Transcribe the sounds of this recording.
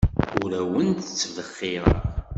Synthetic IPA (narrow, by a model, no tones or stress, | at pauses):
ʊɾæwənt̪ə̥t͡sːəvðəχːiɾˤə̰